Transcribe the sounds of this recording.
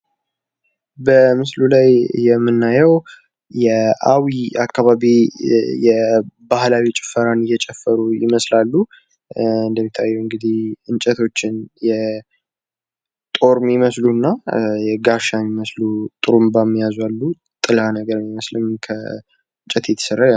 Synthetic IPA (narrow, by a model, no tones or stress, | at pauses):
bəmɨslulajjɛmːɨnːajɛw | jɛawiakːaβaβijɛbahlawit͡ʃʼɪfəɾanɨjɛt͡ʃʼɛfːəɾujɪ̰məslalːu | ɨnd̪əmːit̪ʰːajːɛwɨŋɡɨd̪ihɨnt͡ʃʼɛt̪ʰo̞t͡ʃːɪnjɛ | t̪ʼo̞ɾmiməslunːajɛɡaʃamːiməslut̪ʼɨɾumbamːijazwalːu | t̪ʼɨlanəɡəɾmiməslɨmkʰə | ɨnt͡ʃʼɛt̪ʰet̪ʰːə̥səɾa